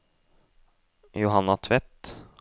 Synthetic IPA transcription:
jʊɦɑnːɑt̪ʰʋɛt̪

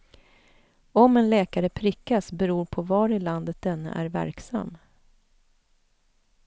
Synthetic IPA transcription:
ɔmɛnlɛːkaɾəpʰɾʏkːasbɛɾuːɾpʰɔvɑːɾɪland̪ət̪̚d̪ɛnːa̰ʔæɾvæ̰ɾksa̰mː

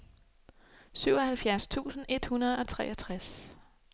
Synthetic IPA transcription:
syʊɒhælfjæɐst͡sʰṵːsn̩e̝d̥hunɐð̞̩ˠɒ̽t͡sʰʁɛ̰ːɐt͡sʰʁas

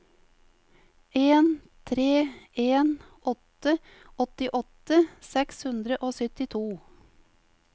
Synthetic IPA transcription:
eːn | t̪ʰɾeːeːn | ɔt̪ə | ɔt̪ɪʔɔt̪əsɛkshʉnd̪ɾəʔoːsœt̪ɪt̪ʰuː

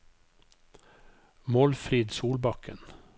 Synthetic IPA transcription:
mɔlfɾiːd̪suːlbɑkə̰n

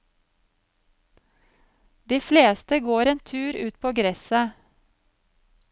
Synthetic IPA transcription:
d̪iːfleːst̪əɡoːɾeːnt̪ʰʉːɾʉːt̪̚pʰoːɡɾɛsə

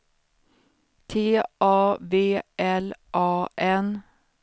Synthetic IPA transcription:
t̪ʰeːʔɑːveːʔɛlʔɑːʔɛn

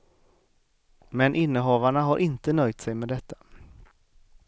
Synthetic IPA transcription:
mɛnʔɪnːəɦɑːvaɳaɦaɾʔɪnt̪ənœjt̪sɛjmeːd̪ɛt̪ʰːḁ

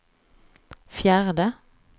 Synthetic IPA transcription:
fjæːʁd̪ə

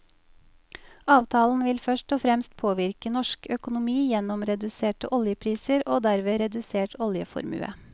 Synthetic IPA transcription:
ɑːʋt̪ʰɑːln̩ʋɪlfœʃʈɔːfɾɛmst̪̚pʰoːʋɪɾkənɔʃkœkʊnʊmiːjɛnɔmɾɛd̪ʉseːʈəʔɔljəpʰɾiːsəɾʔoːd̪æɾʋeːɾɛd̪ʉseːʈɔljəfɔ̰ɾmʉ̰ːə̰

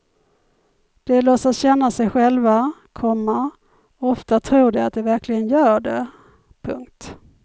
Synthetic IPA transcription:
d̪̥ɛlosasɕɛnːasɛjɧɛlvakʰɔmːa | ɔft̪at̪ʰɾuːɖɛat̪̚d̪ɛvæɾklɪɡənjœːɖɛ | pʰɵ̰ŋk̚t̪

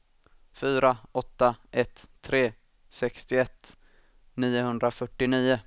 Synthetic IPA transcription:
fyːɾaɔt̪ːaʔɛt̪ʰːɾeː | sɛkst̪ɪɛt̪ː | niːʊɦɵnd̪ɾafœʈːɪniːʊ

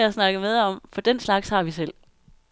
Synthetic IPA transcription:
æsnɑ̈ɡ̥əmeð̞ˠɒ̽m̰fɒ̽d̥enslɑ̈ɡ̥shɑ̈ʋisel̰

